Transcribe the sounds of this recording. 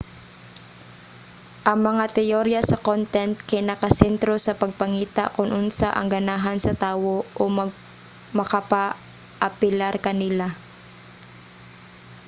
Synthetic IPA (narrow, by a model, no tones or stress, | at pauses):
ʔɐŋmɐŋat̪ɛʔoɾɪjɐsɐkont̪ɛnt̪̚kɐjnɐkɐsɛnt̪ɾo̞sɐpɐɡ̚pɐŋiːt̪a̰ʔkʊnʔʊnsaʔɐ̰ŋɡɐnaːɦɐnsɐt̪aːwo̞ʔomɐɡ̚ | mɐkɐpa | ʔɐpɪlaɾkɐnɪla